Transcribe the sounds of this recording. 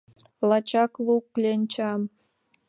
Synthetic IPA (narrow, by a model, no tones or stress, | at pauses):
lɑt͡ɕɑklˠuklʲenʲt͡ɕɑm